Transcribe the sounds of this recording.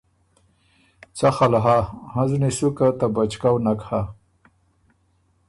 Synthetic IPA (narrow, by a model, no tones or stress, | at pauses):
t͡saxalaɦahãzunesukat̪abat͡ʃkawnakha